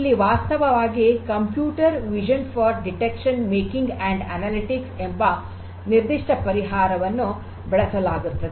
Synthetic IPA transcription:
ilːiʋaːst̪ɐʋɐʋaːɡikɐmpjuːʈɐɾʋid͡ʒɐnfɐɾɖiʈekʂɐnmeːkiŋɡɛɳɖɐnaːliʈiksembɐ | niɾd̪iʂʈɐpɐɾiɦaːɾɐʋɐnːu | bɛɭɐsɐlaːɡut̪ːɐd̪e

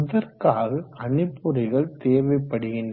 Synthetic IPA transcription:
ʊðɐɾkaːɣɐɐnɪpːʊɾɐɪɣɐɭt̪eːʋɐɪpːɐɽɯɣɪndɐ

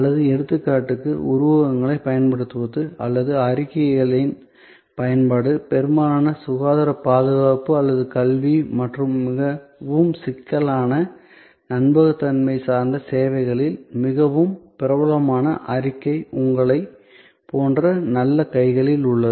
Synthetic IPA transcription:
ɐlːɐðɯɛɽɯt̪ːɯkːaːʈːɯkːɯ̰ʊɾʊʋɐɣɐŋɡɐɭɐɪpɐjɐnpɐɽɯt̪ːɯʋɐt̪ːɯɐ̰lːɐðɯɐɾɪkːɐɣɐɭɪn | pɐjɐnpaːɽɯpɛɾɯmaːnɐsʊɣaːðɐɾɐpaːðɯɣaːpɯɐlːɐðɯkɐlʋimɐʈrɯmːɪɣɐʋɯmsɪkːɐlaːnɐ | nɐnbɐɣɐt̪ːɐnmɐɪsaːɾnd̪ɐseːʋɐɪɣɐɭɪlmɪɣɐʋɯmpɪɾɐʋɐlɐmaːnɐ̰ʔɐɾɪkːɐɪʊŋɡɐɭɐɪ | poːndrɐnɐlːɐkɐɪɣɐɭɪlʊɭːɐɯ

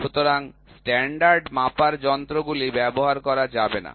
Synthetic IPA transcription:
ʃut̪oɾaŋsʈɛɳɖaɾɖmapaɾd͡ʑɔnt̪ɾoɡulibɛboɦaɾkɔɾad͡ʑabena̰

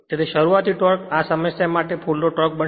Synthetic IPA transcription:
t̪et̪eʃəɾuat̪iʈɔɾkasəməjsemaʈepʰulnoʈɔɾk̚bə

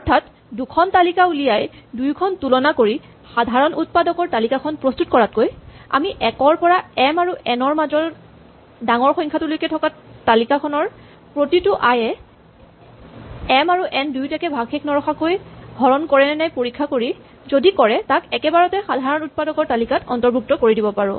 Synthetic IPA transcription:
ɔɹtʰat | dukʰɔntalikaulijaj | dujkʰɔntulɔnakoɹi | xadʱaɹɔnʔut̚padɔkɔɹtalikakʰɔnpɹɔstut̚kɔɹat̚koja̰miʔɛkɔɹpɔɹaɛmaɹuʔɛnɔɹmazɔɹ | daŋɔɹxɔjŋkʰatulojkɛtʰɔkatalikakʰɔnɔɹ | pɹotitʊʔajɛ | ɛmaɹuʔɛndujtakɛbʱaɡxʰekʰnɔɹɔxakojɡʱɔɹɔnkɔɹɛnɛnajpoɹikʰːakoɹi | zodikɔɹɛtakɛkɛbaɹɔtɛxadʱaɹɔnut̚padɔkɔɹtalikatɔ̰ntɔɹbʱuk̚tɔkoɹidibɔpaɹʊ̰̃

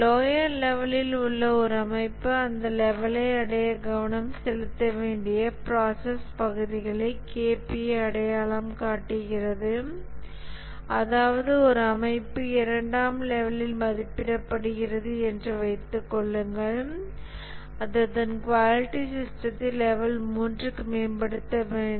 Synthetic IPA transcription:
loːjɐɾlɛʋɐlɪlʊɭːɐɔɾɯɐmɐɪpːɯɐnd̪ɐlɛʋɐlɐɪɐɽɐjɐɡɐʋɐnɐmsɛlɯt̪ːɐʋeːɳɖɪjɐpɾaːsɐspɐɣɯðɪɣɐɭɐɪkeːpɪjɐɐɽɐjaːɭɐmkaːʈːɯɣɪrɐðɯ | ɐðaːʋɐðɯɔɾɯɐmɐɪpːɯɪɾɐɳɖaːmlɛʋɐlɪlmɐðɪpːɪɽɐpːɐɽɯɣɪrɐðɯɛndrɯʋɐɪt̪ːɯkːɔɭːɯŋɡɐɭ | ɐðɐt̪ɐnkʋaːlɪʈːisɪsʈɾɐt̪ːɪlɛʋɐlmuːndrɯkːɯmeːnbɐɽɯt̪ːɐʋeː

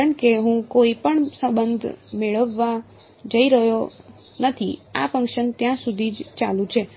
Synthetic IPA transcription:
ɾəɳkeɦũkoipəɳsə̃mbənd̪ʱmeɭəʋːa | d͡ʒəiɾəɦjo | nət̪ʰia̰fə̃ŋkʃənt̪jãsud̪ʱid͡ʒt͡ʃalũt͡ʃʰe

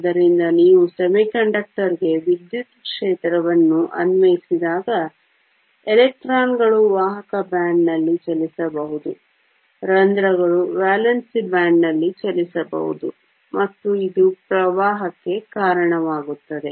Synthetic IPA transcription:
d̪ɐɾind̪ɐniːʋusɐmikɐɳɖɐk̚ʈɐɾiɡe̞ʋid̪jut̪kʂɛːt̪ɾɐʋɐnːuʔɐ̰nʋɐjisid̪aːɡɐ | ɛlɛk̚ʈɾaːnɡɐɭuʋaːɦɐkɐbaːɳɖnɐlːit͡ʃɐlisɐbɐɦud̪u | ɾɐnd̪ɾɐɡɐɭubaːlɐnsibaːɳɖnɐlːit͡ʃɐlisɐbɐ̰ɦṵd̪u | mɐt̪ːuid̪upɾɐʋaːɦɐkːe̞kaːɾɐɳɐʋaːɡut̪ːɐd̪e̞

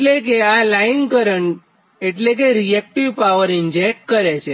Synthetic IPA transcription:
lekealainkəɾəɳ | eʈlek̬eɾiek̚ʈiʋpaʋəɾɪnd͡ʒek̚ʈ̚kəɾet͡ʃʰe

